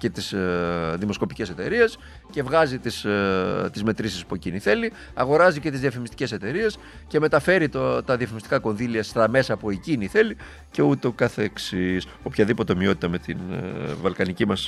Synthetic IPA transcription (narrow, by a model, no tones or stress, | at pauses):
ce̞t̪isðimo̞sko̞pice̞se̞t̪e̞̰ɾie̞s | ce̞vɣɐzit̪ist̪izme̞t̪ɾisispueciniθe̞li | ɐɣo̞ɾɐzice̞t̪izðiɐfimist̪i̥ce̞se̞t̪e̞ɾie̞s | ce̞me̞t̪ɐfe̞ɾit̪ot̪ɐðiɐfimist̪i̥kɐko̞nðiliɐst̪ɐme̞sɐpueciniθe̞li | ce̞ut̪eokɐθeksis | o̞pçɐðipo̞t̪emio̞t̪i̥t̪ɐme̞t̪ḭnvɐlkɐnicimɐs